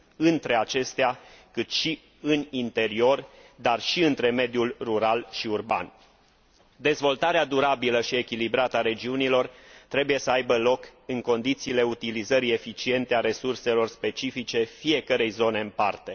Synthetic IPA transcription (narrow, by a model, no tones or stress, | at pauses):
ɨnt̪ɾe̞at͡ʃe̞st̪eakɨt̪ʃi | ɨnint̪e̞ɾio̞rd̪arʃiɨnt̪ɾe̞me̞d̪julruɾalʃiurba̰n | d̪e̞zvo̞lt̪aɾead̪uɾabiləʃie̞kʲilibɾat̪əaɾe̞d͡ʒiunilo̞rt̪ɾe̞buje̞səajbəlo̞kɨŋko̞nd̪it̪siːle̞ut̪ilizəɾie̞fit͡ʃie̞nt̪eaɾe̞surse̞lo̞rspe̞t͡ʃifit͡ʃe̞fie̞kəɾe̞jzo̞ne̞ɨmpart̪e̞